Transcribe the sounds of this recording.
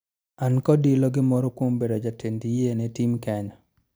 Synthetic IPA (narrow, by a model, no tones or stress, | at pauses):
ankɔdilɔɡɪmɔɾɔkwombedɔd͡ʒatʰendijenɛtimkɛɲɔ